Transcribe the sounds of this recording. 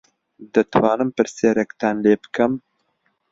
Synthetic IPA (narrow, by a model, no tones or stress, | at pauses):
d̪ɨt̪ʰwɑːnɨmpɨɾsjɛɾɛkt̪ʰɑːnleːbɨ̥kʰɛm